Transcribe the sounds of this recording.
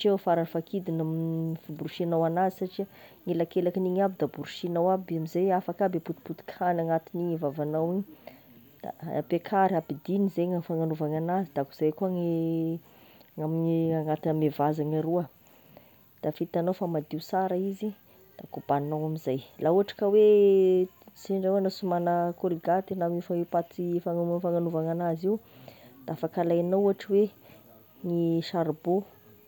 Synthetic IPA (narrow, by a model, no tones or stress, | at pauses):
t͡ʃewfaɾanfakid̪inamifubuɾuʃianawanazisaʈ͡ʂiaŋelakelakiniŋabid̪abuɾuʃinawabamizajafakabeput̪i̥put̪i̥kʰanaŋat̪iniɲivavanawiɲ | d̪̥a̰pekʰaɾapid̪inizejŋafaŋanuvaŋanazid̪akuz̥ajkuəŋe | ŋamiaŋat̪iamevazaɲaɾuə | d̪̥afit̪anowfamad̪iusaɾəizi | d̪̥akub̥annawamizajlauaʈ͡ʂḁkəwe | z̥eɳɖ͡ʐewanasumanəkuɾiɡat̪inamifaipat͡sifaŋfaŋanuvaŋanaziwd̪̥aafakalajanauaʈ͡ʂəwe | ŋiʃaɾbo